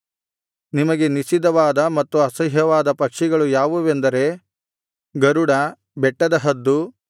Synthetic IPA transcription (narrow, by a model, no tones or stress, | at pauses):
nimɐɡe̞nisid̪ɐʋaːd̪ɐmɐt̪ːuɐsɐɦɦjɐʋaːd̪ɐpɐkʂiɡɐɭujaːʋuʋend̪ɐɾe̞ | ɡɐɾuɽɐ | bɛʈːɐd̪ɐɦɐd̪ːu